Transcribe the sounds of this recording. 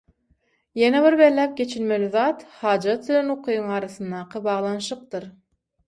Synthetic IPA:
jeneβiɾbellːæːp̚ɡʲe̞t͡ʃʰilmeliðɑːt̪hɑːd͡ʒɑt̪ːylenoqʰɯjɯŋɑːɾɑθɯnd̪ɑːqʰɯbɑːʁlˠɑnʃɯq̚d̪ɯɾ

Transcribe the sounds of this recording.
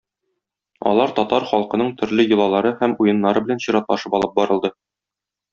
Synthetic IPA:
ɒ̰lˠɑɾt̪ɒt̪ɑɾχɒlˠqɤ̆nɤɴt̪ʰɵ̆ɾlɘjɤ̆lˠɑlˠɑɾɤhæmujɤ̆nːɑɾɤbɘlænɕiɾɑt̪lˠɑʃɤpɒlˠɤp̚bɒɾɤ̆lˠd̪ɤ

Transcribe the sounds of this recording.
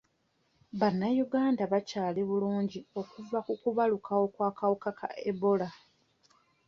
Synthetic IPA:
βanːajuɡaːndaβacaːleβuluːɲɟio̞kuvakukuβalukʰawo̞kwaːkawukakʰa̰ʔeβo̞la

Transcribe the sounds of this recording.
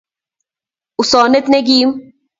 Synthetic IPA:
usɔːnet̪neɡiːm

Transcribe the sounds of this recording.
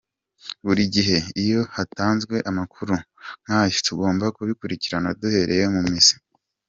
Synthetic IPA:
βuɾiɟiɦe̞ijo̞hataːnzɡwe̞ʔamakʰuɾuŋ̥hajo̥tuɡo̞ːmbakuβikuɾiciɾanadohe̞ɾejomumŋisi̥

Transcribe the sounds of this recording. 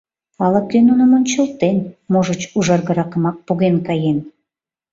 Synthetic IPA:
ɑlək̪̚enunəmonʲt͡ɕəlt̪enmoʒət͡ɕuʒɑrɣə̆ɾɑkəmɑk̚puɣenkɑjen

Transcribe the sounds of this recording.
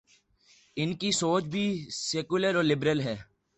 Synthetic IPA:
ɪnkisoːt͡ʃbʱiːseːkʊləɾoːlɪbɾəlɦɛː

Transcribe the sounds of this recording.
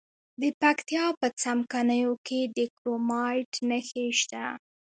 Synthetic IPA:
d̪əpakt̪jɑpət͡samkanəjokeɖɪkɾomɑjʈnəxeʃt̪a

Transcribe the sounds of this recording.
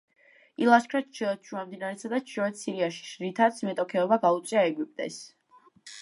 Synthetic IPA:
ilˠaskʰɾaʃɛʃʰuamd̪inaɾɛt̪sʰad̪aʃʰɔɛt̪siɾiaʃi̥ʃɾit̪ʰat̪sʰmɛt̪ʼɔkʰɛɔbaɡaut̪sʼiaɛɡyp̚ʼt̪ʼɛ̰s

